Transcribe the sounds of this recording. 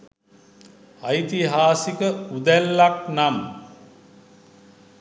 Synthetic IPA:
ajt̪iɦaːsikəud̪ælːak̚nam

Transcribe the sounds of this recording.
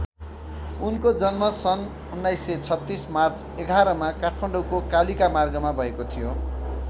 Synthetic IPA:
unkod͡zʌnmʌsʌn | unːajsːʌt͡sʰʌt̪ːismart͡seɡʱaɾʌmakaʈʰpʰʌɳɖʌwkokalikamarɡʌmabʱʌekot̪ʰijo

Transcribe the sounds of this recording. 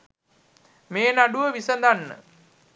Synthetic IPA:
meːnaɖuʋəʋisənd̪anːə̰

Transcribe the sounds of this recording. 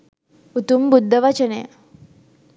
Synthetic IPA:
ut̪umbud̪ʱːəʋat͡ʃənej

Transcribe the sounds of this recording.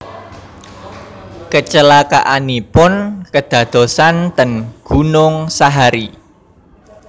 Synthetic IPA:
kət͡ʃəlaka̰ʔanipʊnkəd̪̥ä̤d̪̥o̤sant̪ənɡ̥unʊŋsaɦaɾi

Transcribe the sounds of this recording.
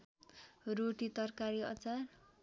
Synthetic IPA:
roʈit̪ʌrkaɾiʌ̰t͡sar

